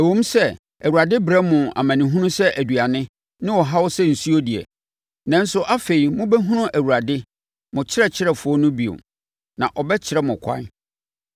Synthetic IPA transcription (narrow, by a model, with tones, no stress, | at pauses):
æ˨wõ˦m˦sɛ˦ | æ˨wu˨ɾa˨dɪ˦bɾɛ˦mʊ̃˨a̰˨mã˨nɪ̃˨ɦũ˦nʊ̃˦sɛ˦ʔæ˨dɥa˨nɪ̃˦ | nɪ̃˦wɔ˨ɦa˦wɔ˦sɛ˦n̩˨su˦o˦di˨ɛ̰˨ | nã˨n̩˦sʊ˦ʔa˦fe˨i˨mʊ̃˦bɛ˦ɦũ˦nʊ̃˦ʔæ˨wu˨ɾa˨dɪ˦ | mʊ̃˨t͡ɕʰɪ˦ɛ˦˨t͡ɕʰɪ˦ɾɛ˨fʊ˨˦ɔ˦nʊ̃˦bi˨o̰˨ | nã˨ʔɔ˨bɛ˦t͡ɕʰɪ˦ɾɛ˦mʊ̃˨kʷʰã̰˦n